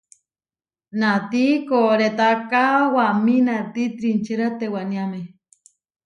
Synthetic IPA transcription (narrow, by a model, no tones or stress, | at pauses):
nat̪ikoɾet̪akawaminat̪it̪ɾint͡ʃiɾat̪ewaniame